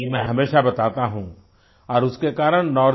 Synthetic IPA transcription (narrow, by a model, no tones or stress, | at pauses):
mɛ̃ɦɐmeːʃabɐt̪aːt̪aɦũ | ɔːɾʊskekaːɾəɽnɔː